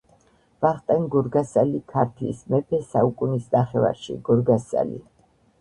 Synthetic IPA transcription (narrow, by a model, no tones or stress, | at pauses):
vaχt̪ʼɛnɡɔɾɡasalikʰaɾt̪ʰlḭsmɛpʰɛsaukʼunisnaχɛva̰ɾʃḭɡɔɾɡasa̰lḭ